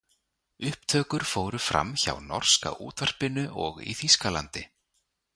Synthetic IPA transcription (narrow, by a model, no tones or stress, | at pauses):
ʏhpt̪ʰœːkʏɾ̥foːwɾʏfɾa̰mça̰wnɔr̥ska̰ʔuːt̪var̥pɪnʏʔɔɣḭθiskala̰nt̪ɪ